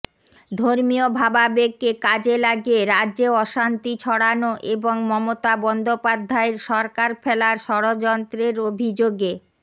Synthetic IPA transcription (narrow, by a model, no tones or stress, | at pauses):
d̪ʱoɾmiobʱababeɡekad͡ʑelaɡeɾadːʑeɔʃant̪it͡ɕʰɔɽanoʔeboŋmɔmot̪abɔnd̪opad̪ʱːaeɾʃɔɾkaɾfɛlaɾʃɔɽod͡ʑɔnt̪ɾeɾobʱid͡ʑoɡe